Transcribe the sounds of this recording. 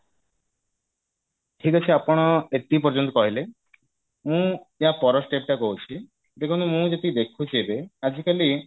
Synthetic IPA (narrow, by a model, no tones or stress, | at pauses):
ʈʰikat͡ɕʰiapɔɽ̃ɔet̪ip̬ɔɾd͡ʒɔnt̪̬ɔkɔɦile | mũ | eɦapɔɾɔsʈep̚ʈakɔɦut͡ʃʰi | d͡ʒekʰunomũd͡ʒet̪id̪ekʰut͡ʃebead͡ʒikali